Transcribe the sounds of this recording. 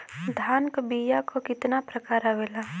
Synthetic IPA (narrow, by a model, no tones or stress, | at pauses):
d̪ʱaːnkbiːjakokɪt̪napɾɐkaːɾaʋelaː